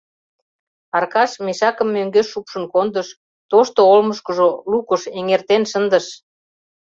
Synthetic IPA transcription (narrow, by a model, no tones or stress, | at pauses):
ɑrkɑʃmeʃɑkə̆mːøŋɡeʃːupʃə̆nkond̪ə̆ʃ | t̪oʃt̪oolməʃkə̆ʒolukəʃeŋert̪enʃə̆nd̪ə̆ʃ